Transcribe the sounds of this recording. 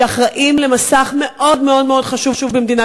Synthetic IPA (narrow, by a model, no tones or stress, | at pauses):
aχʁaʔimle̞masaχme̞ʔo̞dmeo̞dmeo̞dχaʃuvʃuvbemd̪ina